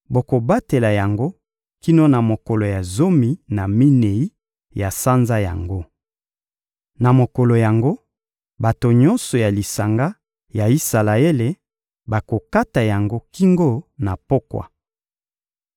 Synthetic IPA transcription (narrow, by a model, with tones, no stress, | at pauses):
bo˨ko˨ba˦te˨la˨ja˨ŋɡo˦ | ki˦no˦na˨mo˨ko˨lo˨ja˨zo˦mi˨na˨mi˦ne˨i˦ | ja˨sa˦nza˦ja̰˨ŋɡo˦ | na˨mo˨ko˨lo˨ja˨ŋɡo˦ | ba˨to˨ɲɔ˦nsɔ˨ja˨li˨sa˨ŋɡa˦ | ja˨i˦sa˨la˨e˦le˨ | ba˨ko˨ka˦ta˨ja˨ŋɡo˦ki˦ŋɡo˦na˨po˦kwa̰˨